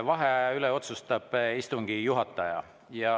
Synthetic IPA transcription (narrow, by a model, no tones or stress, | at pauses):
vɑɦeyleo̞t̪sust̪ɑb̥ist̪uŋɡ̥ijuɦɑt̪ˑːɑjɑ̰ | jɑ